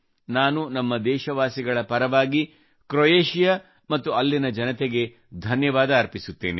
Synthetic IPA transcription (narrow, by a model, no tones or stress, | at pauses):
naːnunɐmːɐd̪ɛːʃɐʋaːsiɡɐɭɐpɐɾɐʋaːɡi | kɾojeːʃijɐ | mɐt̪ːuɐlːinɐd͡ʒɐnɐt̪eɡe̞ | d̪ʱɐnjɐʋaːd̪ɐːɾpisut̪ːeːneḭ